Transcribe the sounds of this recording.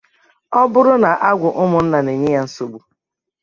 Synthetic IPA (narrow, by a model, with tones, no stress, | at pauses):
ɔ˦bʊ˦ɾʊ˦na˨ʔa˦ɡʷʊ˨ʔʊ˦mʊ˨n̩˦na˨ne˨ɲe˦ja˦n̩˦so˨bu˨